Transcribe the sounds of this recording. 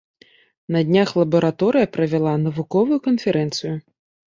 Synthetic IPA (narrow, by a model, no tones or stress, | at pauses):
nɐd̪ʲnʲaxlˠɐbɐɾat̪ɔɾɨjɐpɾɐvʲɛlˠanɐvukɔvɨjukɐnfʲɛɾʔɛnt̪sɨju